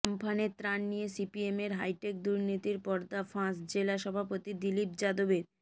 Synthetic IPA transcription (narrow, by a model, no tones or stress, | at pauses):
mpʰaneɾt̪ɾanːijesipiemeɾɦajʈek̚d̪uɾnit̪iɾpɔɾd̪afãsd͡ʑelaʃɔbʱapot̪id̪ilip̚d͡ʑad̪obeɾ